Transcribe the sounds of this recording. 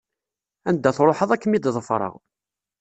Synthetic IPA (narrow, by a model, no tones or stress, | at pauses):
ænd̪ːæθɾˤoħəðˤækːəmid̪ðˤəfɾˤə̰ʁ